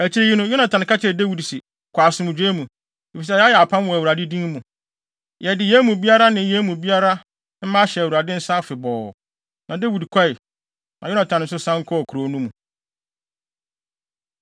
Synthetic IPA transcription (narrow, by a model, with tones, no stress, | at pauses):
æ˨t͡ɕʰi˦ɾi˦ji˦nʊ̃˦jʊ˦nã˨tʰã˨n˨kʰa˦t͡ɕʰɛ˨de˦wi˨dsi˨ | kʰʷaː˨sʊ˦mʊ̃˨d͡ʑᶣe˦mũ˨ | e˨fi˨s̬ɛ˦˨ja˦jɛ˨a˨pʰã˦m˦wɔ̃˨æ˨wu˨ɾa˨dɪ˦dĩ˦ŋ˦mũ˨ | jɛ˨dɪ˨jɛ˦mũ˨bi˦a˦ɾa˦nɪ̃˨jɛ˦mũ˨bi˦a˦ɾa˦ | m̩˦mã˦ɕɛ˨æ˨wu˨a˨dɪ̃˦n̩˦sa˦fɪ˨bɔː˨ | nã˨de˦wi˨dkʰa˦ɪ˨ | nã˨jʊ˦nã˨tʰã˨ñ˨n̩˨˦sʊ˦sã˦ŋ̩˦kʰɔ˦ɔ˨kʰu˨ɾo˨˦nũ˦mũ˨